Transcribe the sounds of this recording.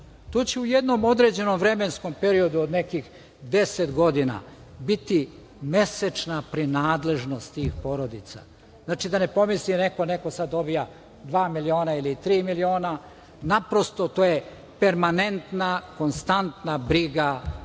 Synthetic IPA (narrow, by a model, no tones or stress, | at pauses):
t̪oːt͡ɕeujed̪no̞mo̞d̪ɾe̞d͡ʑe̞nomvɾe̞mensko̞mpe̞ɾio̞d̪uod̪ne̞kix | d̪e̞set̪ɡo̞d̪ina̰ | bit̪i | me̞set͡ʃnapɾinaːd̪le̞ʒno̞st̪t̪iːxpo̞ɾo̞d̪it̪sa̰ | znaːt͡ʃid̪ane̞po̞misline̞ko̞ne̞ko̞sad̪o̞bija | d̪ʋaːmilio̞ːnailit̪ɾiːmilio̞ːna | napɾo̞st̪o̞t̪oːje | peɾmane̞nt̪nako̞nst̪ant̪nabɾiɡa